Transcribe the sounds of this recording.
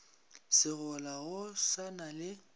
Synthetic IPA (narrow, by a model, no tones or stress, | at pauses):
sɪɣɔlaɣʊsanalɪ